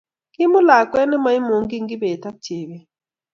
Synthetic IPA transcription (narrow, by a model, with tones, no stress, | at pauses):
kɪ˦mʊ˦la˨kwɛ˦nɛ˦ma˨˦i˦mo˨ŋɡi˦ŋɡi˦be˨ta˦tje˨be˨